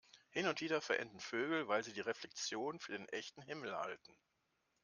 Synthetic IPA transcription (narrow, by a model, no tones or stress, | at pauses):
hɪnʊntv̥iːdɐfɛɐʔɛ̰ndn̩føːɡl̩vaɪlziːdiːʁeflɛk̚t͡sjoːnnfyːɐdeːnʔɛçtn̩ɦɪml̩ha̰ltn̩